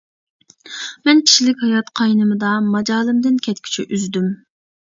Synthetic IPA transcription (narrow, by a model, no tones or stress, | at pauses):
mɛnkʲʰi̥ʃilɪkʲhɑjɑt̪qʰɑjnɨmɨd̪ɑmɑd͡ʒɑːlˠɨmd̪ɪnkʲʰɛt̪̚kʲʰy̥t͡ʃʰy̰ʔyzd̪ym